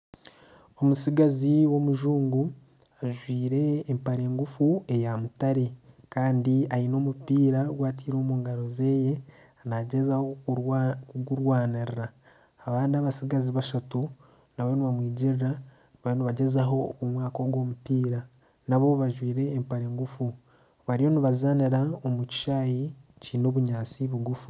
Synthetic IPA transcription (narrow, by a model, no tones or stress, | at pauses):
o̞musiɡaziwo̞muʒuːŋɡu | aʒwiːɾe̞ːmpaɾe̞ːŋɡufue̞jamutaɾe̞ | kaːndiaino̞ːmupiːɾaɡwaːt̬iːɾo̞ːmuːŋɡaɾo̞ze̞ːje̞ | anaɟezaho | kuɡuɾwaːniɾiɾaː | βaːndiaβasiɡaziβaʃatu | naβo̞niβamwiːɟiɾiɾa | βajoniβaɟe̞zaɦo̞omwaːko̞ɡwo̞ːmupiːɾa | naβo̞βaʒwiːɾe̞ːmpaɾe̞ːŋɡufu | βaɾijo̞niβazaniɾaomuci̥ʃaːjicino̞ːβuɲaːt͡siβuɡufu